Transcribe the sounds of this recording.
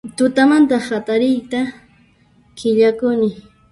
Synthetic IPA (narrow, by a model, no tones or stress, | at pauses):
t̪ʊt̪amant̪ahat̪aɾɪjt̪a | kɪʎakʊnɪ